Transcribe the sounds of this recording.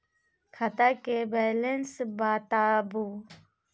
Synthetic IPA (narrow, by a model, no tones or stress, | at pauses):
kʰɐt̪akebɛːlensbaːt̪aːbu